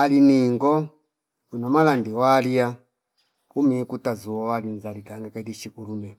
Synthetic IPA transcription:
aliniŋɡɔ | unɔmalandiwalija | kumikutazuɔwalinzalikaŋɡakadiʃikulumɛ

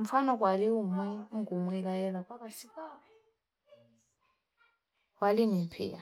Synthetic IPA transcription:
m̩fanɔk̬ʼwaliumwiŋɡumuil̬ajɛlak̬ʼwaɓasi | walinimpʰɛ̰ːa

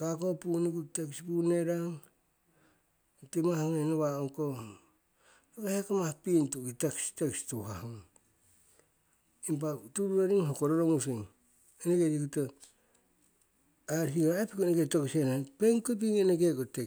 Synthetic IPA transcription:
kakopuniɡutekspuneɾaŋ | timahŋenoβaoŋko | eβahekamahpintuɡitekstekstohahŋ | imp̬atuɾuɾaɾiŋɦokoɾoɾoŋus̬iŋ | eneɡeɾiɡuta | aɾsiɡaɾaapikuneɡetoksenapeŋkop̬iŋeneɡekote

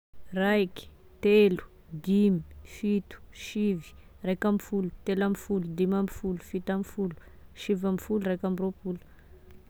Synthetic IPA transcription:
rajki̥ | t̪elu̥ | d̪imifit̪u̥ʃivi̥rajkamifulu̥t̪elamifulud̪imamifulufit̪amifulu̥ | ʃivamifuluɾajkamiropulu̥

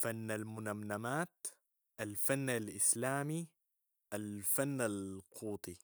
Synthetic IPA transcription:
fanːalmʊnamnamaːt̪ | ʔalfanːalʔɪslaːmi | ʔalfanːalqʰuːt̪ˤi

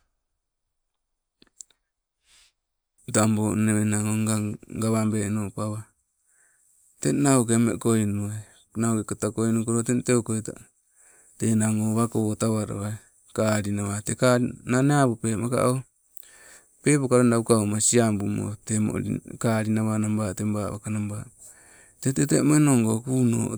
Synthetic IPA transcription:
damboneβenaŋoŋɡaɡaβambenopaβa | tenaokemḛkojnue | naokekotakojnukoɾotenteokojta̰ | tenaŋoːβakootaβaɾo̰βae | kaɾinaβatekananeabupeːmaka̰ʔo | pe̞pokaɾondaukaomasiambumo̰temo̰kaɾinaβanambatembaβa̰kanamba | tetetemoenoŋɡokuːno̰ː

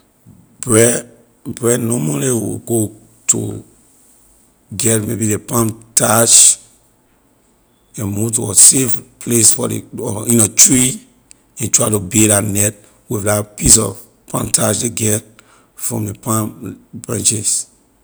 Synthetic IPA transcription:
bɹɛ | bɹɛdnɔmaliwḭɡo | tʰṵ | ɡɛt̚mebidepãmtaʃ | emutɔsefpʰlesfɔdḛɔĩnatɹi | ĩntɹatubeɾanɛt̚ | wifdapis̬ɔ̰v | pʰã̰mtʰaʃdeɡɛt | fɹɔ̰̃mdepãmbɹãnt͡ʃis

